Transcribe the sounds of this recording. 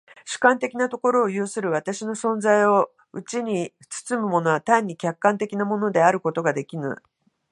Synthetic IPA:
ɕɨ̥kãnt̪e̞kʲinat̪o̞ko̞ɾo̞ːjɯːsɨɾɯ̟βat̪aɕino̞sõ̞nzaio̞ | ɯ̟t͡ɕiɲ̟i | t͡sɨ̥t͡sɨmɯ̟mo̞no̞βat̪ãɲ̟ːikʲakːãnt̪e̞kʲinamo̞no̞d̪e̞aɾɯ̟ko̞t̪o̞ɡad̪e̞kʲinɨ̰

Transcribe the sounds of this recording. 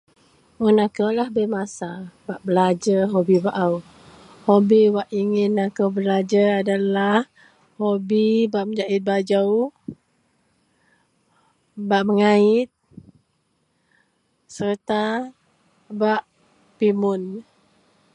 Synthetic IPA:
unakawlahbəmasabaʔbəlad͡ʒəɦobibaʔaw | hobiwaʔiŋɪnakawbəlad͡ʒaadalah | hobibaʔməd͡ʒaʔɪt̪̚bad͡ʒaw | baʔməŋaɪt̪̚ | sərt̪a | baʔ | pimʊn

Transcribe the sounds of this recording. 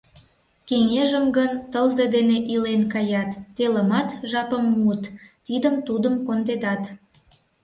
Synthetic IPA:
keŋeʒəmɡənt̪əlzed̪eneʔilenkɑjɑt̪ːeləmɑt̪ʒɑpəmːut̪t̪id̪əmt̪ud̪əmkond̪ed̪ɑt̪

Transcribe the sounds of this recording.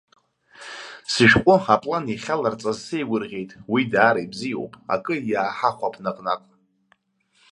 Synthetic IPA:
sɨʃᶣkʷʼʊapʼlaniχʲalart͡sʼazsejɡʷʊrʁʲejtʼwidaːɾajbzijo̰wpʼa̰kʼɨjaːħaχʷapʰnaqʼnaqʼ

